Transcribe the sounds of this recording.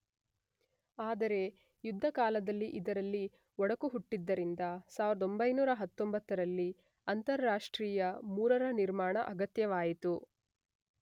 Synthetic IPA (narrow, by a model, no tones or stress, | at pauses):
aːd̪ɐɾe̞ | jud̪ʱːɐkaːlɐd̪ɐlːiʔid̪ɐɾɐlːi | ɔɽɐkuɦuʈːid̪ːɐɾind̪ɐsaːʋiɾɐd̪o̞mbɐjnuːɾɐɦɐt̪ːombɐt̪ːɐɾɐlːi | ɐnt̪ɐɾːaːʂʈɾiːjɐmuːɾɐɾɐniɾmaːɳɐ̰ʔɐɡɐt̪jɐʋaːjit̪u